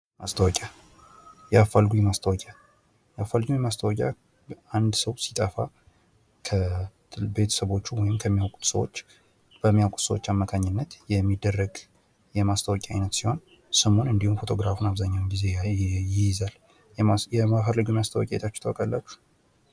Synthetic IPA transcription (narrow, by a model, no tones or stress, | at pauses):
mʔast̪ʰəwɔkʲʼja | jɛafalɡujɛmast̪ʰəwɔkʼa | jɛafalːɡujɛmast̪ʰəwɔkʼja̰ | and̪səwsit̪ʼəfa̰ | kʰə | be̞t̪ʰə̥səβo̞t͡ʃːuwɔjɪmkʰəmːijawkʼu̥t̪sə̰wo̰t͡ʃː | b̥əmːijawkʼut̪səwot͡ʃːamːəkʰaɲːɪnːət̪jɛmːid̪ːərːəɡ | jɛmast̪ʰəwɔkʼɛa̰jnət̪siho̞n | sɨmo̞nɨnd̪ihumfot̪ʰo̞ɡɾafunaβzaɲːawmɡize̞jɪjɪzal | jɛmafəɾləɡujmast̪ʰəwɔ̰kʼaj̰t̪ʰat͡ʃːɛ̥t̪əwɔkʼalːat͡ʃːu̥h